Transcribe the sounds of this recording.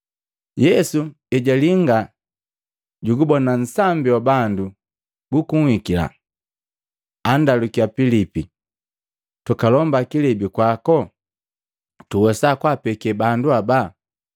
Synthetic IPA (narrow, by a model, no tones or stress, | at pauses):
jɛsu | ɛɟaliŋɡa | ɟuɡubɔnan̩sambiwabandu | bukuŋwikila̰ | andalukiapilipi | tukalɔmbakilɛbikwakɔ | tuwɛsakwapɛkɛbanduaba